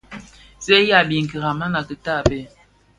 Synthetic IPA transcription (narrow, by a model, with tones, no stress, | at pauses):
sɛ˦ja˦˨bi˨ŋ˨ki˨ɣa˨ma˦na˨kə˨ta˦˨bɛ˦